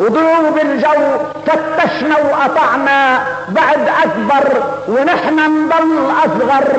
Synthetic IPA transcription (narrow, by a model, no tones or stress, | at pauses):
wɪd̪uːbɪld͡ʒawt̪at̪ːaʃnawʔɑt̪ˤɑʕna | baʕd̪ʔakbɑɾˤ | wɪnɪħnand̪ˤɑlːʔɑsˤɣɑɾˤ